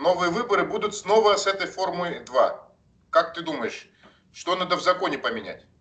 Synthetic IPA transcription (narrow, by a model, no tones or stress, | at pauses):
no̞vɨjəvɨbəɾɨbud̪ʊt̪sno̞vəsɛt̪əjfo̞rmɨjd̪va̰ | kak̚t̪ɨd̪uməjɪʂ | ʂt̪o̞nad̪əvzɐko̞nʲɪpəmʲɪnʲæ̰tʲ